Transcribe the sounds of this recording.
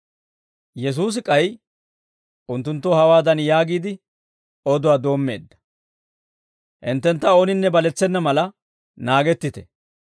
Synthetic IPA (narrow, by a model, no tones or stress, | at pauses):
jɛs̬uːs̬ɪkʼɐj | ʊnt̪ːʊnt̪ːɔhɐwaːd̪ɐnjaːɡiːd̪ɪ | ɔd̪ʊwaːd̪o̞ːmːe̞̰ːd̪ːɐ̥ | ʔɪnt̪ːɛnt̪ːɐoːnɪnːɛbɐlɛt͡sːɛnːɐmɐlɐ | naːɡɛt̪ːɪt̪ɛ̰